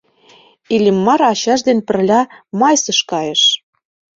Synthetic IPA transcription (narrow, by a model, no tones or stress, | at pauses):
ilʲimːɑɾɑɕɑʃd̪enpɘ̆rlʲɑmɑjsə̆ʃkɑjeʃ